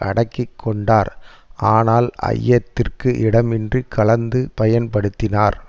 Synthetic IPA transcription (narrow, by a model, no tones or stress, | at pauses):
ɐɽɐkːɪkʰːɔɳɖaːɾʔaːnaːlɐ̰jːɐt̪ːɪrkɯʔɪɽɐmɪndrikʰɐɭɐnd̪ɯpɐjɐnpɐɽɯt̪ːɪnaːɾ